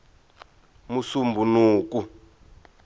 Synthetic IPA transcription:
musumbunuːku

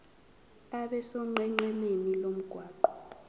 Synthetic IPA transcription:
aɓɛsɔŋ͡ǃɛŋ͡ǃɛnenilom̩ɡ̥ʱwaːǃɔ

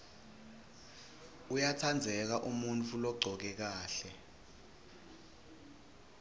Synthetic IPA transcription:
ujatʰand͡zʱɛk̬aʔumunt͡fʰulɔɡ͡ǀʱɔk̬ɛk̬aːɬɛ

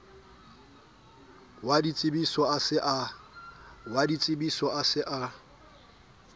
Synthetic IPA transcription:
wadit͡sʼɪbisɔasɪʔa | wadit͡sʼɪbisɔasɪʔa

